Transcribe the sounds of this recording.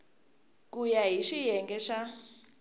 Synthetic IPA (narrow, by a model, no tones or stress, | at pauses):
kujaɦiʃijɛŋɡɛʃa